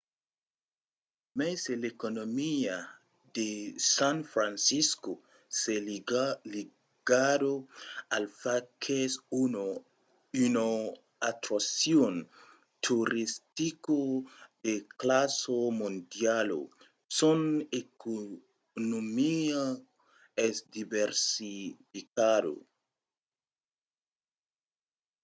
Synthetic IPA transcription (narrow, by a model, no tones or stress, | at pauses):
meselekonomia | desãnfɾansisko | seli | ɡ̥adoalfakʰes | yno | at̪ɾosjon | t̪ʰuɾist̪ikod̪eklasomond̪jalo̰ | soneko | nomia | esd̪ibeɾsifikado̰